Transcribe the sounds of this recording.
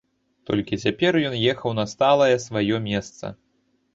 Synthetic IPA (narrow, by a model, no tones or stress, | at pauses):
t̪ɔ̰lʲkʲit͡sʲapʲɛrjɔnjɛxɐwnɐst̪alˠɐjɛsvajɔmʲɛst̪sɐ̰